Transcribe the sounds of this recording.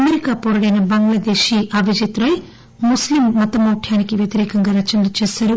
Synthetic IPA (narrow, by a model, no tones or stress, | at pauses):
ɐmeɾikaːpoɾɐɽɐjnɐbɐŋɡlɐd̪eːʃiʔaʋid͡ʒit̪ɾɐj | muslimːɐt̪ɐmoːʈʰjaːnikiʋjɐt̪iɾeːkɐŋɡɐɾɐt͡ʃɐnɐlɐt͡ʃeːsɐɾu